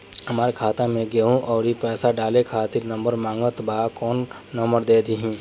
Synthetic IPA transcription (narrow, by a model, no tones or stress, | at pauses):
ɦɐmaːɾkʰaːt̪ãmẽɡeːɦũʔɔːɾipɛːsaɖaːlekʰaːt̪ɪɾnə̃mbəɾmãːŋɡət̪baːkɔːnː | əmbəɾd̪eːd̪iɦĩː